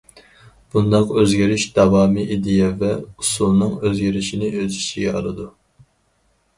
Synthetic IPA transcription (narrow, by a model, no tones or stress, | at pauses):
b̥und̪ɑqøzɡʲiɾyʃd̪ɑvɑːmiʔid̪ejɛvɛusulˠnɨŋøzɡʲiɾɪʃinɪøzyʃiɡʲɛɑ̰ɾˠɨd̪u